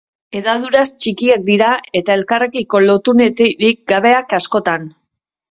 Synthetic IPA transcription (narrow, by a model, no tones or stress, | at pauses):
e̞ðaðuɾast͡ʃikiak̚d̪iɾae̞t̪ae̞lkarekiko̞lo̞t̪unet̪eɾik̚ɡaβe̞akasko̞t̪an